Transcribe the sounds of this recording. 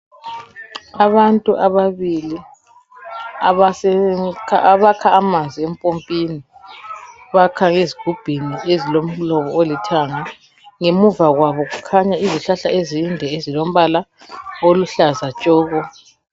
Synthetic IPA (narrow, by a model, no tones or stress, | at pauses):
aβantʼuʔaβaβili | aβasɛkʰaβakʰaːmand͡zʱiempʼompʼini | βakʰaŋeziɡ̥ʱub̥ʱiniezilom̩lɔβɔolitʰaŋa | ŋemuvaɣwaβɔɣukʰaɲaiziɬaɬaezindʱɛezilom̩βala | oluɬazat͡ʃʼɔːɣɔ